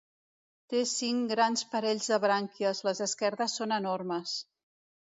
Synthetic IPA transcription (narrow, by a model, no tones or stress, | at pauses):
t̪esiŋɡɾanspəɾɛʎzðəβɾaŋkiəzləzəskɛɾðəsːonənorməs